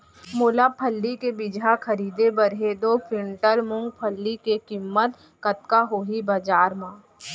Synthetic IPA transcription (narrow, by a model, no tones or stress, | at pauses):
mʊːlapʰəlːikebɪd͡ʒɦakɐɾiːd̪ebəɾɦed̪opʰɾɪɳʈəɾmʊ̃ŋɡ̚pʰəlːikekɪmːət̪ | kət̪kaɦoːɦibɐd͡ʒaːɾmãː